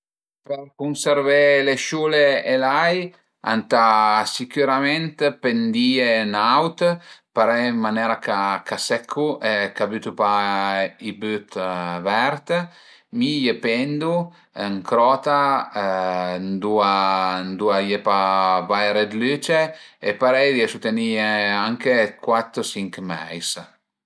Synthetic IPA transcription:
peɾkunseɾveleʃuleelaj | a̰nt̪asikyɾamɛnt̪pend̪ienawt̪paɾɛmmːanɛɾakakasɛkʰːuʔɛkabyt̪upa | ibyt̪vɛɾt̪ | mijepɛnd̪u | əŋkɾɔt̪a | nd̪uand̪uajepavajɾed̪lyt͡ʃeepaɾɛjd̪iesut̪enieaŋkekwat̪ːɾosiŋkmɛ̰js

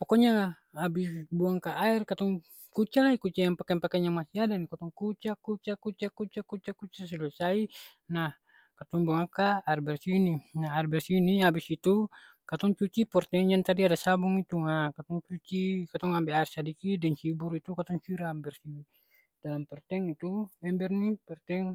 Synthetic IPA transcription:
pɔkɔɲaŋa | abisbuaŋkaʔːɛrkat̪ɔŋ | kut͡ʃalaikut͡ʃajaŋpakɛŋpakaɲaŋmasiadanikat̪ɔŋkut͡ʃakut͡ʃakut͡ʃakut͡ʃakut͡ʃakut͡ʃasɛluɛsai | nah | kat̪ɔŋbuakaːɛrbɛrsiːninaɦarbɛrsiːniabisit̪u | kat̪ɔŋt͡ʃut͡ʃipɔrt̪ɛŋd͡ʒant̪adiadasabuŋit̪uŋakat̪ɔŋt͡ʃut͡ʃikat̪ɔŋambɛaɛrsadikidɛŋsiburit̪ukat̪ɔŋsiɾaambɛrsi | d̥alampɛrt̪ɛŋit̪ubɛmbɛrnipɛrt̪ɛŋ

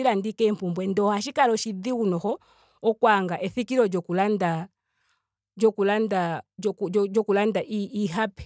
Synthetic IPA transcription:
iɾandikɛm̩pumbwɛndɔhaʃikalɔʃid̪iunɔhɔ | ɔkwaŋɡaʔɛθikiɾɔd͡ʒɔkulanda | d͡ʒɔkulandakd͡ʒɔkulandaʔiiɦapɛ̥

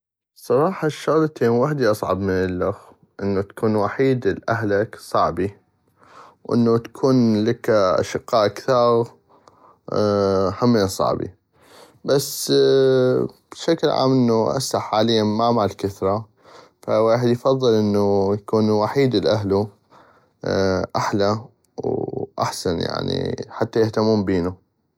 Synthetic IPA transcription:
sˤɑɾˤɑːħɑʃːʊɣlat̪eːnwaħd̪iʔɑsˤʕɑ̰bmɪnɪlːʊx | ʔɪnːut̪ḁkʰuːnwaħiːd̪ɪlʔaɦlaksˤɑʕbi | wʔɪ̰nːut̪ḁkʰuːnlakaʔa̰ʃɪqːɑːʔkθɑːɣ | hamːisˤɑ̰ʕbḭ | basː | b̥ʃaklʕa̰ːmʔɪnːuʔa̰saħːaːlɪjːamamaʕlkaθɾˤɑ | faweːħɪd̪jfɑðˤːɨlʔɪnːujakuːnwaħiːd̪ɪlʔaɦlu | ʔaħla | wʔa̰ħsanja̰ʕnḭħat̪ːajɪht̪amːuːmbiːnu

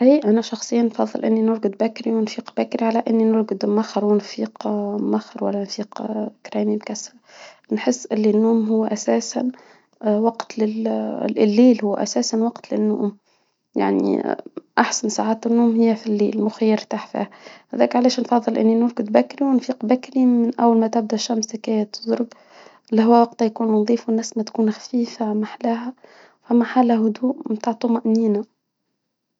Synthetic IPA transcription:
iːʔʔænæʃɑxsˤɨjːaːnːfɑðˤːɨlʔɪnːinʊɾɡɪd̪bækːɾiwɪnfiːqbækːɾiʕalæʔɪnːinʊɾɡʊd̪maxɑɾˤwɪnfiːqmaxɑɾwælːænfiːqkɾɛːmimkæsɾanħɪsːʔɪlːinːuːmɦʊwːæʔæsæːsan | wɑqt̪lɪlɪlːiːlhʊwːʔæ̰sæːsanwɑqt̪lɪnːʊ̰ːʔm | ja̰ʕnḭʔaħsansaʕaːt̪ɪnːuʔmhɪjːæfilːḭːlmʊxajːɪɾt̪aːħfḭːhhæðæːkʕalæːʃnfɑðˤːɨlʔɪ̰nːinʊlɡɪd̪bækːɾiwɪnfiːqbækːɾimɪnʔæ̰wːalmæt̪ɪb̚d̪æʃːæmsɪkæːjæt̪ʊ̥zˤɾʊb | ʔlːiɦʊwːæwɑqt̪ajkuːnðˤiːfwɪnːæːsmæt̪kuːnxæ̥fiːfamaħlæːɦæ | fæmːaħaːlæɦʊd̪uːʔmnt̪aʕt̪ˤumaʔniːna

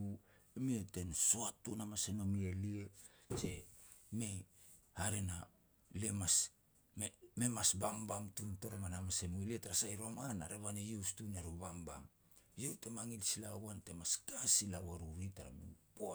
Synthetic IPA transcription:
uemiete̞nsoatːunamaseno̞mieliese̞me̞ | haɾena | le̞mas | meme̞masbambamtunto̞ɾomanamase̞muilietaɾasajɾomana̰ɾeβanejestuneɾuβamba̰m | jewtemaŋilsilawante̞maskasilawaɾuɾitaɾa̰mipoa

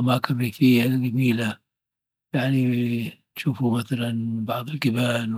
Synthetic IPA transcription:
ʔamaːkɪnɾiːfɪjːaɡamiːla | jaʕnitʃuːfumaθalanbɑʕd̪ˤɪlkɪbaːl

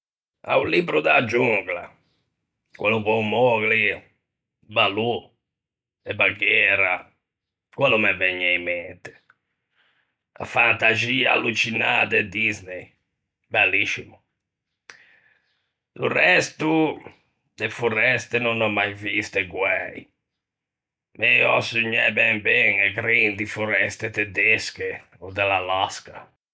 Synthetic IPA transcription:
a̰ulibɾud̪ad͡ʒuŋɡla̰ | kwʔɛluβɔumɔɣli | balu | ɛbaɡɛːɾa | kwɛlumɛvɛɲːɛimɛnt̪ɪ̥ | a̰fant̪azia̰lːut͡ʃinaːt̪ɛd̪iznej | bɛlːiʃːimu | d̪urɛst̪u | d̪efurɛst̪enunɔmːajvist̪eɡwɛi | mɛɔ̰suɲːɛbɛmbɛŋɛɡɾind̪ifuɾɛst̪et̪ɛd̪eske | ɔd̪ɛlalaska

